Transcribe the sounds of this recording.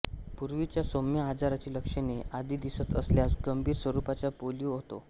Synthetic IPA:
puɾʋit͡ɕjasomjəad͡zaɾat͡ɕiːləkʂenead̪iːd̪isət̪əsljasɡəmbʱiːɾsʋəɾupat͡ɕjapolijuɦot̪o̰

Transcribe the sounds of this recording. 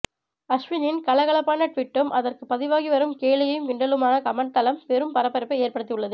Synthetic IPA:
ɐʂʋɪnɪnkɐɭɐɣɐɭɐpːaːnɐʈʋɪʈːɯmʔɐðɐrkɯpːɐðɪʋaːɣiʋɐɾɯmkeːlɪjɐjɯmʋɪɳɖɐlɯmaːnɐkɐmɐɳt̪ɐlɐmpɛɾɯmpɐɾɐpːɐɾɪpːɐɪeːɾpɐɽɯt̪ːijɯɭːɐðɯ

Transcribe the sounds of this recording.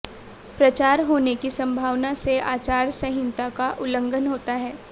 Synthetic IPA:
pɾɐt͡ʃaːɾɦoːnekisɐ̃mbʱaːʋnaseʔaːt͡ʃaːɾsɐɦɪ̃nt̪akaʔʊlə̃ŋɡʱənɦoːt̪aɦɛː

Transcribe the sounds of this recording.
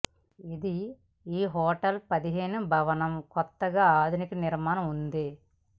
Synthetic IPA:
id̪i | iːɦɔːʈɐlpɐd̪iɦe̞ːnubʱɐʋɐnɐmkɔt̪ːɐɡaːaːd̪ʱunikɐniɾmaːnɐmund̪i

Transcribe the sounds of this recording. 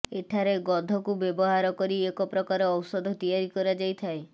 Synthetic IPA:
eʈʰaɾeɡɔd̪ʱɔkubjebɔɦaɾɔkɔɾiekɔpɾɔkaɾɔːwsɔd̪ʱɔt̪ijaɾikɔɾad͡ʒajt̪ʰae

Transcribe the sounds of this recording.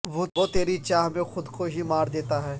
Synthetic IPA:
ʋoːʋot̪eːɾit͡ʃaːɦmẽxʊd̪koɦimaːɾd̪eːt̪aɦɛː

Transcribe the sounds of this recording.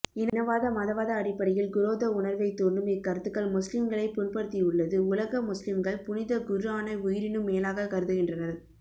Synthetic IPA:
ɪnnɐʋaːðɐmɐðɐʋaːðɐːɽɪpːɐɽɪjɪlɡʊɾoːðɐʊɳɐɾʋɐɪt̪ːuːɳdɯmɪkːɐɾɯt̪ːɯkːɐɭmʊslɪmɡɐɭɐɪpʊnpɐɽɯt̪ːiʊɭːɐðɯʊlɐɣɐmʊslɪmɡɐɭpʊnɪðɐɡʊɾɯaːnɐʊjɪɾɪnɯmːeːlaːɣɐkɐɾɯðɯɣɪndrɐnɐɾ

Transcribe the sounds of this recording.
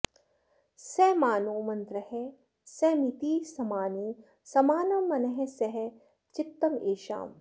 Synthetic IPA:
seːmaːnoːmɐnt̪ɾɐhe | seːmit̪iːsɐmaːni | sɐmaːnɐmːɐnɐɦesɐɦe | t͡ʃɪt̪ːɐmeːʃa̰ːm

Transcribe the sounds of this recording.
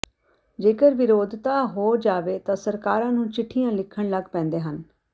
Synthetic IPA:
d͡ʒeːkəɾʋɪɾoːd̪ʱt̪aːɦoːd͡ʒaːʋeːt̪ãːsəɾkaːɾãːnũːt͡ʃɪʈʰːijãːlɪkʰːəɳ̃ləɡpɛ̃ːnd̪eːɦən

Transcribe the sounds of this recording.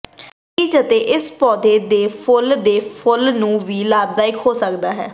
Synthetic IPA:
kid͡ʒət̪eːʔɪspɔːd̪eːd̪eːpʰʊld̪eːpʰʊlnũːʋiːlaːb̚d̪aːɪkɦoːsəkd̪aːɦɛː

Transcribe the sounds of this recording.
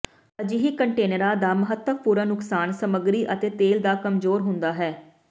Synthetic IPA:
əd͡ʒiɦiːkəɳʈeːnəɾaːd̪aːməɦət̪ːəpuːɾaːnʊksaːnsəməɡɾiːʔət̪eːt̪eːld̪aːkəmzoːɾɦʊnd̪aːɦɛː

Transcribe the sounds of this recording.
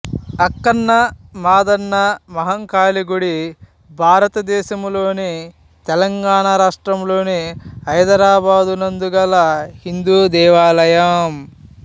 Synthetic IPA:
ɐkːɐnːɐmaːd̪ɐnːɐmɐɦɐŋkaːliɡuɽi | bʱaːɾɐt̪ɐd̪ɛːʃɐmlo̞ːni | t̪ɛlɐŋɡaːɳaɾaːʂʈɾɐmlo̞ːniɐjd̪ɐɾaːbaːd̪unɐnd̪uɡɐlːɐhind̪uːd̪ɛːʋaːlɐjaːm

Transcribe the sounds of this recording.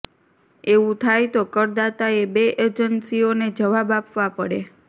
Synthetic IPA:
eʋũt̪ʰajt̪okəɾd̪at̪aebeʔeɾd͡ʒənsioned͡ʒəʋabapʋapəɽe

